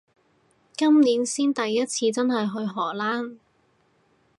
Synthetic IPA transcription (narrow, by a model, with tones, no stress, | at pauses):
kɐ˥mniː˨˥nsiː˥nt̪ɐ˨jːɐ˥t̚t͡sʰiː˧t͡sɐ˥nɦɐ˨jɦɵ˧ɥɦɔː˨˩laː˥n